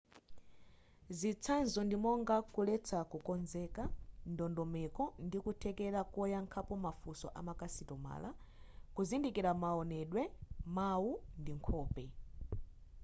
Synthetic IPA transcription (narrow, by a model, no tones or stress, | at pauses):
zit͡sʰanzɔndimɔŋɡakulɛt͡sʰakukɔnzɛkandɔndɔmɛkɔndikutʰɛkɛɾakɔjaŋkʰapɔmafusɔ̰ʔamakasitɔma̰ːla | kuzindikiɾamaɔnɛɗwɛmawundiŋkʰɔːpɛ